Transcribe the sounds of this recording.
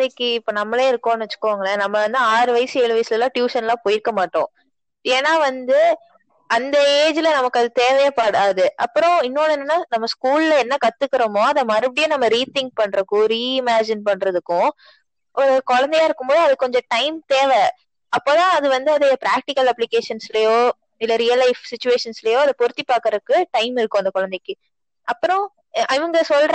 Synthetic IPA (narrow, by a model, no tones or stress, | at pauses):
ɐðɐkːɯɪpːoːnɐmːɐleːɪɾɯkːõːnʋɐt͡ʃːɯ̥kːɯʋaːŋɡɐɭɐnɐmːɐʋɐnd̪ɯaːɾɯʋɐjɐsɯeːɭɯʋɐjslɐlãːʈjuːʂɐnlãːpoːjɪɾkːɐmaːʈːõ̰ː | eːnːaːʋɐnd̪ɯ | ɐnd̪ɐeːd͡ʒɪlɐnɐmɐkːɯɐðɯt̪eːʋɛjɐpaːɽaːðɯʔɐpːɯɾɔ̃ɪnːoːnɯnːɯnːaːnɐmːɐskuːllɐɛnːɐkɐt̪ːɯkːɪɾɐmoːɐnðɐmɐɾɐpːɐɽɪjõːnɐmːɐɾiːt̪ɪ̃ŋk̚pɐɳːɾɐɯkːʊ̃ɾiːɪmaːd͡ʒɪnpɐɳːɾɐðɯkːʊ̃ | ʔɔɾɯkɔɻɐnd̪ɛjaːɪɾɯkːɯmboːðɯɐðɯkɔɲd͡ʒɔ̃ʈɐɪmt̪eːʋɛ | ɐpːoːt̪ãːɐðɯʋɐnd̪ɯɐðɐɐpɾaːk̚ʈɪkɐlɐpːlɪkeːʂɐnslɐjoː | ɪlːɐɾijɐlːɐɪfsɪt͡ʃːʊeːʂɐnslɐjõːɐðɐpɔɾɯt̪ːipːaːkɾɐðɯkːɯʈɐɪmɪɾɯkːʊ̃ɐnd̪ɐkɔɻɐnd̪ɛkːɯ | ɐpːɯɾɔ̃ | ʔɪʋɐŋɡɐsɔlɾ